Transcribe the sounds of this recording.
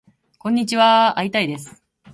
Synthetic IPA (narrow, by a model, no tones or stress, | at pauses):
kõ̞ɲ̟ːit͡ɕiβaait̪aid̪e̞sɨ̥